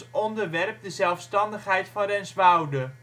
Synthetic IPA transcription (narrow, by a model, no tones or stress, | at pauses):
ɔndəɹʋɛrp̚dəzɛlˠfstɑndəχɦɛjtfɑnrɛnsʋɑwdə